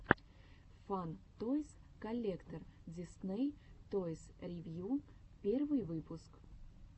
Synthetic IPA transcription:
fant̪ojskɐlʲːekt̪ərdʲɪsnejt̪ojsɾʲɪvʲjupʲervɨjvɨpʊsk

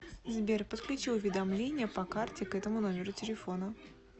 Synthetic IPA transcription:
zbʲerpət̪klʲʉt͡ɕilˠʊvʲɪd̪ɐmlʲenʲɪjəpɐkartʲɪkɛt̪əmʊno̞mʲɪɾʊtʲɪlʲɪfo̞nə

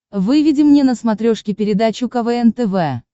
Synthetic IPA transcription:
vɨvʲɪdʲɪmnʲenəsmɐt̪ɾʲoʂkʲɪpʲɪɾʲɪd̪at͡ɕʊkɐvɛɛnt̪ɛvɛ

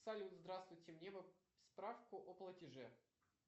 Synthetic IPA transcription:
salʲɪuzd̪ɾast̪vʊjtʲɪmnʲevɨ | spɾafkʊʔoplˠətʲɪʐɛ

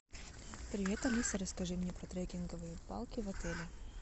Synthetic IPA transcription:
pɾʲɪvʲet̪ɐmɨsɐɾəskɐʐɨmnʲepɾɐt̪ɾɛɡʲɪnɡəvɨjəpa̰lˠkʲɪvɐt̪ɛlʲɪ

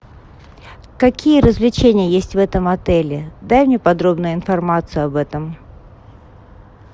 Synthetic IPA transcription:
kɐkʲijəɾəzvlʲɪt͡ɕenʲɪjəjesʲtʲvɛt̪əmɐt̪ɛlʲɪd̪ajmnʲepɐd̪ɾo̞bnʊjʊɪnfɐrmat̪sɨjʊɐbɛt̪əm

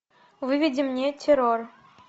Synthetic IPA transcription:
vɨvʲidʲimnʲetʲeɾor

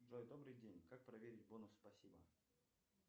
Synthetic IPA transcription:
ʐojd̪o̞bɾɨjdʲenʲkak̚pɾɐvʲeɾʲɪt̚ʲbonʊsːpɐsʲibə

